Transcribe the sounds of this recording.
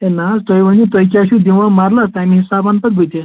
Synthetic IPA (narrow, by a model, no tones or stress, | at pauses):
ẽnasʈ̪əjʋənit̪əjkʲaɕud̪iʋãmaɾlast̪amĩɦisabanpət̪̚ɡʱojt̪e